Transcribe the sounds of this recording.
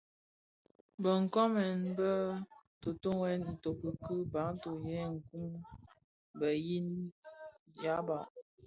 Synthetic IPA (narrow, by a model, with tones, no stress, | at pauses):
bə˨ŋ̩˨kɔ˦mɛ˨nbə˦to˨to˦ŋɛ˦ni˨to˨kə˨kə˦ba˨˦ŋ˦to˨jɛ˦˨ŋ̩˨ku˦m | bə˨ji˦n | ja˦ba˨